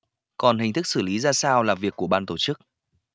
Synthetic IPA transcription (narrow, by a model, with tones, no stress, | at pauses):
kɔ˨˩nɦï˨˩ŋ̟t̪ʰɨ˦˥k̚sɨ˧˩li˨˦zaː˧saː˧wlaː˨˩vi˨˩əkːu˧˩əɓaː˧nt̪o˧˩t͡ɕɨ˦˥k̚